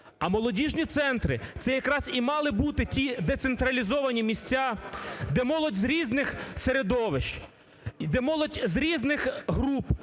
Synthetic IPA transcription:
ɐmɔlˠɔdʲiʒnʲit̪sɛnt̪ɾɪt̪sɛjɐkɾɑzimɑlˠɪbut̪ɪtʲid̪et̪sent̪ɾɐlʲizɔʋɐnʲimʲisʲt͡sʲad̪ɛmɔlˠɔdʲzɾʲiznɪxseɾed̪ɔʋɪʃ | d̪ɛmɔlˠɔdʲzɾʲiznɪxɦɾup

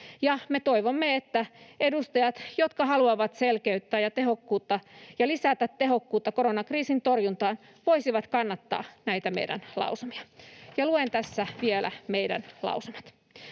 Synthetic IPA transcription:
jɑmet̪oiʋomːeet̪ːæedust̪ɑjɑt̪jot̪kɑhɑluɑʋɑt̪selkeyt̪ːæːjɑt̪ehokːuːt̪ːɑjɑlisæt̪æt̪teɦokːuːt̪ːɑkoɾonɑkriːsint̪orjunt̪ɑːn | ʋoisiʋɑt̪kɑnːɑt̪ːɑ̰ːnæit̪æmḛjdæ̰nlɑ̰usemi̥ɑ̥jɑluent̪æsːæʋielæ̰meidæ̰nlɑ̰usomɑt̪

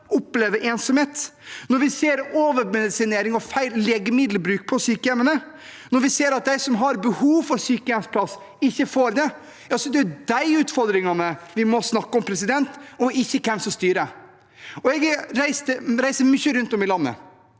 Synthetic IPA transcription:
ʊpleːʋəɾʔeːnsɔmheːt̪nɔɾʋɪseːɾoːʋəɾmɛd̪ɪsɪneːɾɪŋɔfæɪlːeːɡəmɪd̪l̩bɾʉːk̚pʰɔsyːkəɛmənə | nɔɾʋɪseːɾɑt̪̚d̪æɪsɔmɦɑɾbəhuːʋfɔɾsyːkəɛmspʰlɑs | ɪçːəfoːɾd̪ɛ | jɑːsɔd̪ɛd̪æɪʉːt̪fɔɾd̪ɾɪŋɑnəʋɪmɔsnɑkːəɔmpʰɾɛsɪd̪ɛnt̪ɔɪçːəkʰɛmsɔst̪yːɾə | ɔɛɡɾæɪst̪əɾæɪsəɾmʏçːəɾʉnt̪ɔmɪlɑnːə̰

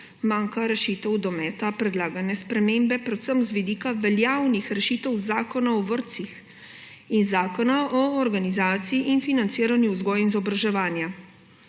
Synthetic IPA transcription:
maːŋkaɾɛʃiːt̪ɔwd̪ɔmɛːt̪apɾɛd̪laːɡanɛspɾɛmeːmbɛpɾɛt̪səmzʋid̪iːkaʋɛljaːwnixɾɛʃiːt̪əwzaːkɔnaɔʋəɾt̪six | inzaːkɔnaʔɔːɾɡanizaːt̪siiʔinfinant̪siːɾanjuuzɡɔjinzɔbɾaʒɛʋaːnja

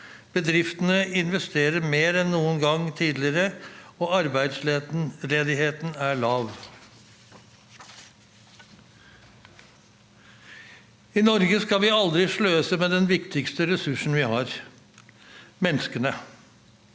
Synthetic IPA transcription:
b̥əd̪ɾɪft̪ənəɪnʋɛst̪ʰeːɾəɾmeːɾɛnnuːənɡɑŋt̪ʰiːd̪lɪɾəɔɑɾbæɪd̪sleɾɛd̪ɪɦeːt̪næɭɑːʋ | ɪnɔɾɡəskɑʋɪɑld̪ɾɪʂɭøːsəmeːd̪ɛnʋɪkt̪ɪkst̪əɾɛsʉʂn̩ʋɪhɑːɾ | mɛnskənə

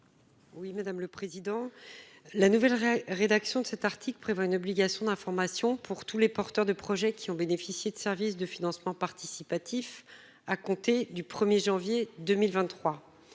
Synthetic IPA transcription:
wimad̪amləpχezid̪ɑ̃ | lanuvɛlʁed̪aksjɔ̃d̪əsɛt̪aʁt̪ʰikləpχevwaynɔbliɡʲasjɔ̃d̪ɛ̃fɔʁmasjɔ̃pʰuʁt̪ulepɔʁt̪œʁd̪əpχɔʒɛkʲʰiɔ̃benefisjed̪əsɛʁvis̬d̪əfinɑ̃smɑ̃paʁt̪isipat̪ʰif | akɔ̃t̪ed̪ypχəmjeʒɑ̃vjed̪əmilvɛ̃t̪ːχwa

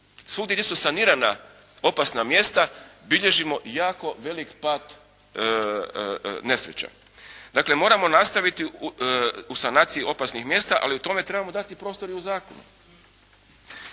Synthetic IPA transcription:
slˠuɡd̪eɡd̪ʲjesusaniːɾana | o̞pasnamje̞ːst̪abiʎe̞ʒimo̞jaːko̞ʋe̞likpaːt̪ | ne̞sɾet͡ɕa̰ | d̪akle̞mo̞ːɾamo̞nast̪aʋit̪i | usanaːt̪sijio̞pasnixmje̞ːst̪aʔa̰liut̪o̞me̞t̪ɾebamo̞d̪at̪ipɾo̞ːst̪o̞ɾiuzaːkonṵ

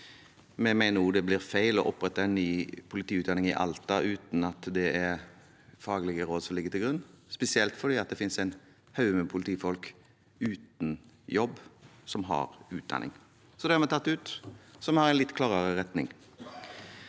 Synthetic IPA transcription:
mɛmæɪnəɾuːd̪ɛblɪɾfæɪlɔʔɔpːɾɛt̪ːəɛnnːyːpʰʊlɪt̪iːʉːt̪d̪ɑnɪŋɪʔɑ̰lt̪ɑʔʉːt̪nɑt̪d̪ɛæɾ | fɑːɡlɪɡəɾoːd̪sɔmlɪɡːət̪ɪlɡɾʉnːspɛsɪɛlt̪fɔɖ̪iːɑt̪̚d̪ɛfɪnsæɪn | hɑʉəmɛpʰʊlɪt̪ʰiːfɔlk | ʉːt̪n̩ | jɔbːsɔmɦɑ̰ɾʉːt̪̚d̪ɑ̰nʔɪ̰ŋ | sɔd̪ɛhæɑɾmɛt̪ʰɑt̪ːʉːt̪sɔmhɑɾɛɪnlɪt̪ːkʰlɑːʁəɾəɾɛt̪nɪ̰ŋ

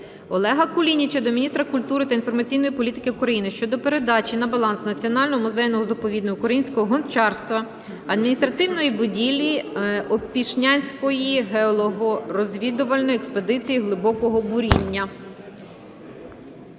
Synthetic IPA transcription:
ɔlˠɛɦɐkʊlʲinʲit͡ʃɔd̪ɔmʲinʲist̪ɾɐkʊlʲt̪uɾɪt̪ɐinfɔrmɐt͡sʲijnɔjipɔlʲit̪ɪ̥kɪukɾɐjinɪʃt͡ʃɔd̪ɔpe̞ɾe̞d̪ɑt͡ʃʲinɐbɐlˠɑnsnɐt͡sʲiɔnɑlʲnɔɦɔmʊzɛjnɔɦɔzɐpɔʋʲid̪nɔɦɔkʊkɾɐjinʲsʲkɔɦɔɦɔnt͡ʃɑrst̪ʋɐ | ɐd̪minʲist̪ɾɐt̪ɪwnɔjibʊdʲilʲiɔpʲiʃnʲanʲsʲkɔjiɦeɔlˠɔɦʊrɔzʲʋʲid̪ʊʋɐlʲnɔjiɛkspe̞d̪ɪt͡sʲijiɦlˠɪbɔkɔɦɔbʊɾʲinʲːɐ

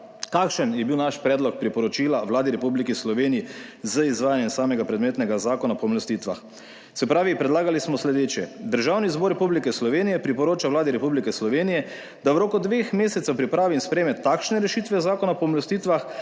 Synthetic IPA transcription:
kakʃənjɛbiwnaʃpɾɛːd̪lɔk̚pɾipɔɾɔt͡ʃiːlaʋlaːd̪iɾɛpublikislɔʋeːnijizəizʋaːjanjɛmsaːmɛɡapɾɛd̪meːt̪nɛɡazaːkɔnapɔmlɔst̪iːt̪ʋa̰x | tsɛpɾaːʋipɾɛd̪laːɡalismɔslɛd̪eːt͡ʃjɛd̪əɾʒawnizbɔɾɛpublikɛslɔʋeːnijɛpɾipɔɾoːt͡ʃawlaːd̪iɾɛpublikɛslɔʋeːnijɛ | d̪awɾoːkɔd̪ʋexmeːsɛt̪ɛwpɾipɾaːʋimspɾɛmɛt̪ːakʃnɛɾɛʃiːt̪ʋɛzaːkɔnapɔmlɔst̪iːt̪ʋax

